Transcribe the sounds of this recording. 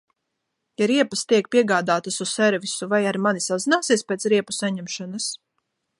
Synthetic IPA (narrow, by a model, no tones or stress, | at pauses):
jaɾiɛpast̪iɛk̚piɛɡaːd̪aːt̪asussɛɾvisuvajaɾmanisazinaːsiɛspeːt̪sɾiɛpu̥saɲɛmʃɔnas